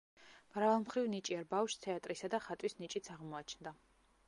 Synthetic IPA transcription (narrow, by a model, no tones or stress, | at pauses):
mɾavalˠmχɾivnit͡ʃʼiɛɾbafʃst̪ʰɛat̪ʼɾisad̪aχat̪ʼwisnit͡ʃʼit̪sʰaʁmɔat͡ʃʰnd̪a